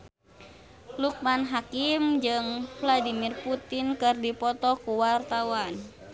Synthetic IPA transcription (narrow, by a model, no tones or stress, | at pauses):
luk̚manɦakimd͡ʒɨŋfladimirput̪inkɨrdipɔt̪ɔkuwart̪awan